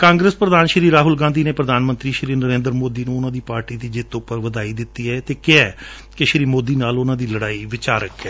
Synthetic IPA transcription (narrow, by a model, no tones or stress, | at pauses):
kãːŋɡɾəspɾəd̪aːnʃɾiːɾaːɦʊlɡãːnd̪iːneːpɾəd̪aːnmə̃nt̪ɾiːʃɾiːnəɾẽːnd̪əɾmoːd̪iːnũːʊnãːd̪iːpaːɾʈiːd̪iːd͡ʒɪt̪ʊpːəɾʋəd̪aːiːd̪ɪt̪ːiːɛːt̪eːkɪɛː | keʃɾiːmoːd̪iːnaːlʊnãːd̪iːləɽaːiːʋɪt͡ʃaːɾəkɛː